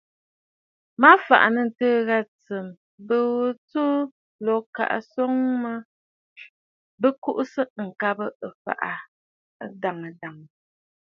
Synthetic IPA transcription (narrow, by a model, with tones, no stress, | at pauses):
ma˦fa̰˨ʔa̰˨nə˨n̩˨təː˦ɣa˦t͡sə˨m | bə˦wt͡su˦ | lɔ˨ka̰˨ʔa̰˨sɔ˦ŋma˦ | bə˦ku˦ʔsə˦˨ŋ̩˨ka˦bə˦ə˨fa̰˨ʔa˨˦ | da˨ŋə˨da˨ŋ˨